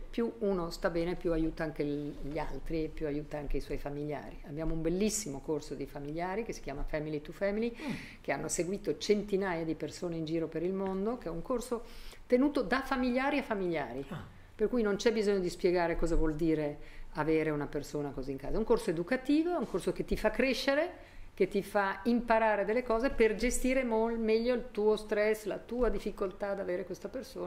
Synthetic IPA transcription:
pjuuːnost̪abɛːnepːjuajuːt̪aaŋkeʎialt̪ɾiepːjuajuːt̪aaŋkeiswɔjfamiʎːa̰ːɾiabːjaːmoumbelːisːimokorsod̪ifamiʎjaːɾikesi̥kjaːmafɛmilit̪ufɛmili | keanːoseɡwiːt̪ot͡ʃent̪inaːjad̪ipersoːneind͡ʒiːɾopeɾilmond̪ok̟eɛuŋkorsot̪enuːt̪od̪afamiʎaːɾiafamiʎːaːɾi | perkujnont͡ʃɛbizoɲːod̪ispjeɡaːɾekɔːzavwɔld̪iːɾeaveːɾeunapersoːnakoziːŋka̰ːzaɛuŋkorsoed̪ukat̪iːvoɛuŋkorsoket̪ːifakːɾeʃːeɾe | k̟et̪ifaimpaɾaːɾed̪elːekɔːzeperd͡ʒest̪iːɾemolmɛʎːoilt̪uːost̪ɾɛsːlat̪uːad̪ifːikolt̪ad̪aveːɾekwest̪apersoːn

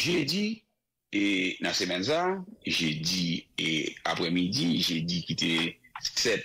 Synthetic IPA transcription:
ʒødi | enãsemɛ̃nsaʒødiea̰pʁɛmidiʒedikit̪esɛt̪̚

